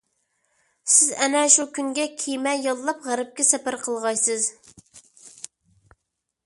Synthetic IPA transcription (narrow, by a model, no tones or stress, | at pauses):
sɪzɛnɛʃukʲyŋɡʲɛkʲʰijmɛjɑlˠːɑpʁæɾɪp̚kʲɛsɛpæɾqʰəlˠʁɑjsɨz